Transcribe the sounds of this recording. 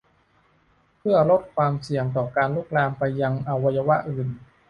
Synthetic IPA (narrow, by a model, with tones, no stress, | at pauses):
pʰɯ˥˩ɐlo˦˥t̪̚kʰwaː˧msi˨˩əŋt̪̬ɔː˨˩kaː˧nluː˥˩k̚laː˧mpa˧jːa˧ŋʔa˧wa˧ja˧wa˦˥ʔɯː˨˩n